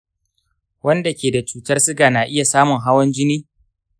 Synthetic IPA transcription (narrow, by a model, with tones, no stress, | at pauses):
wɐ˦nda˨kʲeː˨da˨t͡ʃuː˨˦tɐ˦rsɪ˦ɡaː˨naː˨ʔɪ˦ja˨saː˦mʊ˨ŋɦa˦wɐ˦nd͡ʒɪ˦niː˦